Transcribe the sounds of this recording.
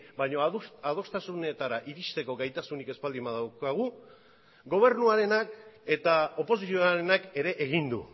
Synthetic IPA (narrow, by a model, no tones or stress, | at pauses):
bajɲo̞aðo̞st̪asune̞t̪aɾaʔiɾist̪e̞ko̞ɡajt̪asunike̞spald̪imaðawkaɣ̞u | ɡo̞β̞e̞ɾnuaɾe̞nake̞t̪ao̞po̞s̬isioaɾe̞nake̞ɾe̞ʔeɣind̪ṵ